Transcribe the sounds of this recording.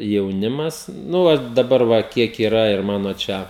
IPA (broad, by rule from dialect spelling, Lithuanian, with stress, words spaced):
jɛʊˈnʲɪmɐs ˈnʊ ʋɐ dɐˈbɐr ʋɐ ˈkʲiɛk iːˈrɐ ɪr ˈmɑːnoː ˈt͡ʃʲɛ